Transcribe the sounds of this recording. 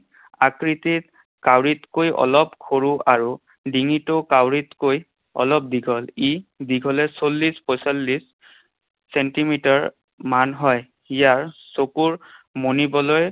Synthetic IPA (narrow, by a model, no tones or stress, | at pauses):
akɹitit̚ | kawɹitkojʔɔ̰lɔpkʰoɹuʔaɹu | diŋitɔkawɹitkoj | ɔ̰lɔp̚diɡʱɔlidiɡʱɔlɛsolːispɔjsalːis | sɛntimitaɹ | manɦɔj | ijaɹsokuɹmonibɔlɔj